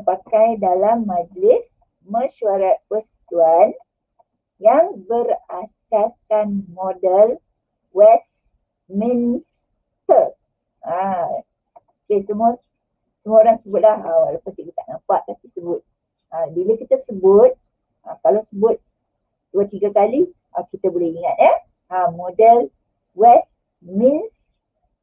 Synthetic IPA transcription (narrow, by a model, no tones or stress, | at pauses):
pakajdalamːãd͡ʒlɪs | məʃuaɾat̪̚pəsə̥t̪uan | jaŋbərasɛskanmodəl | wɛs | mins | t̪ək̚ | a | okesəmũa | səmũaoɾaŋsəbʊt̪̚lahələpat̪ikit̪aʔŋapaʔt̪ːapisəbʊt̪̚ | abilakit̪asəbʊt̪̚ | akalawsəbʊt̪̚ | d̥uat̪iɡakali | əkit̪abolɛhiŋat̪̚əh | amodəl | wɛs | mins